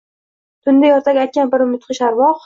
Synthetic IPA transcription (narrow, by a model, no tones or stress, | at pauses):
t̪ʰʊnd̪ajɒɾt̪ʰaɡʲajt̪̚kʲanbɪɾʊmɪt̪qʰɨʃaɾwɒq